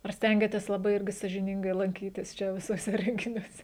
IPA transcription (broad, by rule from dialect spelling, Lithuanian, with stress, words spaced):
ɐr ˈsʲtʲɛŋʲɡʲɛtʲeːs lˠɐˈbɐɪ ˈɪrʲɡʲɪ sɑːʒʲɪˈnʲɪŋɡɐɪ lˠɐŋʲˈkʲiːtʲɪs ˈt͡ʃʲɛ ʋʲɪsuɔˈsʲɛ rʲɛŋʲɡʲɪnʲuɔˈsʲɛ